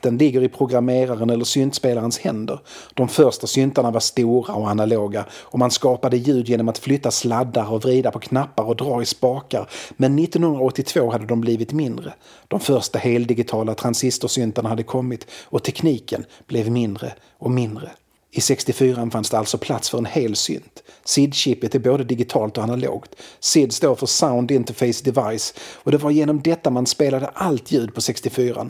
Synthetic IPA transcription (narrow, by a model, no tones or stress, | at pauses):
t̪ənlɪɡːəɾɪpʰɾʊɡɾameːɾaɾənɛlːəsʏnt̪speːlaɾənshɛnd̪əɾd̪̥ɔmfœɾʂtasʏnt̪aɳavaɾʂt̪uːɾaɔanaloːɡaɔmanskɑːpad̪əjʉ̟ːd̪jeːnɔmat̪flʏt̪ːaslad̪ːaɾɔvɾiːd̪apʰɔkʰnapːaɾɔd̪ɾɑːɾɪspɑːkaɾmɛnːɪt̪ːɔnhɵnd̪ɾaɔt̪ːɪt̪ʰv̥oːhad̪ːəd̪ɔmbliːvɪt̪mɪnd̪ɾə | d̪̥ɔmfœɾʂtaheːld̪ɪɡɪt̪ʰɑːlat̪ʰɾansɪst̪ʊsʏnt̪aɳahad̪ːəkʰɔmːɪt̪ɔt̪ʰɛkʰniːkə̰nb̥lɛvmɪnd̪ɾə̰ | ɔmɪnd̪ɾə | ɪsɛkst̪ɪfyːɾanfansd̪ɛalt̪sɔpʰlat̪sfœɾɛnheːlsʏ̰nt̪sɪd̪ɕɪpːət̪ɛboːd̪əd̪ɪɡɪt̪ʰɑːlt̪ɔanalo̰ːɡt̪sɪd̪st̪oːfœsaʊnd̪ɪnt̪əfɛɪsd̪ɛvajsɔd̪ɛvaɾjeːnɔmd̪ɛt̪ːamanspeːlad̪əʔalt̪jʉ̟ːd̪̚pʰɔsɛkst̪ɪfyːɾa̰n